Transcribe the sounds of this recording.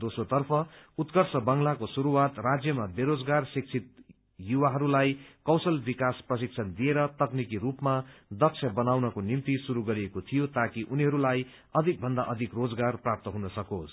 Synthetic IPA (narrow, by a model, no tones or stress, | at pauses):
d̪osot̪ʌrpʰʌut̪kʌrsʌbʌŋlakosuɾuwat̪rad͡zjʌmabeɾod͡zɡarsik̚t͡sʰit̪ | juwaɦʌɾulajkʌwsʌlbikasprʌsik̚t͡sʰʌnd̪ieɾʌt̪ʌknikiɾupmad̪ʌk̚t͡sʰjʌbʌnawnʌkonimt̪isuɾuɡʌɾiekot̪ʰijot̪akiʔuniɦʌɾulaj | ʌd̪ʱik̚bʱʌnd̪aʔʌd̪ʱikrod͡zɡarprap̚t̪ʌɦũnʌsʌkos